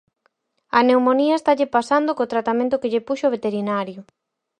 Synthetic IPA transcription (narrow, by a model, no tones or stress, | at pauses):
ɐnewmoniɐest̪aʎɪpasand̪okot̪ɾat̪amẽnt̪ʊkɪʎepuʃoβ̞et̪eɾinaɾjʊ